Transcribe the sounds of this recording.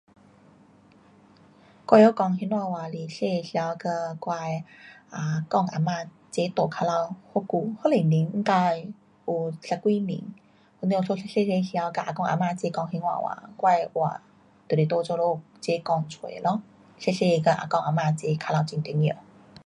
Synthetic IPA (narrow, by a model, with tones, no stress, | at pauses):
kwa˥˧jjo˦kɔ˧˩ŋɦi˧nwa˧wa˨li˨˩ɕe˥˧ɕja˧wkə˧kwa˥˧ja˨˩kɔ˥˧˨ŋʔa̰˨˧ma˧ | t͡ɕe˦t̪o˨˩kʰa˧la˧who˦ku˧˩ho˥˦˨le˨˩mi˨˦ŋŋ̩˦ka˧j | u˨˩ɕa˧˩kwi˦mḭ˨˦ŋ | o˧˦nĩ˧o˧sʰo˧˦˧ɕe˥˧se˧ɕja˧˦wka˧˨ʔa˨˩kɔ˥˧ŋʔa̰˨˩mã˧t͡ɕe˧˦kɔ˧˨ŋhi˧nwa̰˧˨wa̰˨˦kwa˥˧jwa̰˨˩ | t̪li˨˩t̪o˧˦t͡ɕo˥˧lo˧˦ | t͡ɕe˦kɔ˧ŋt͡sʰwḛ˨˩˨lɔ˧˦ | se˥˧ɕe˥˧kə˧ʔa̰˨˩kɔ˥˧ŋʔa˨˩ma˧˨t͡ɕe˧˦kʰa˧la˧˨t͡ɕi˧ŋt̪i˧˦njo˧˩˦